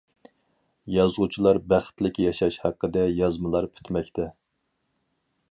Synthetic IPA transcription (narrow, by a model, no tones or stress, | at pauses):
jɑzʁut͡ʃʰilˠɑɾbæχə̥t̪lɪkʲjɑʃɑʃhæqːəd̪ɛjɑzmɨlˠɑɾpʰy̥t̪mɛkʲt̪ʰɛ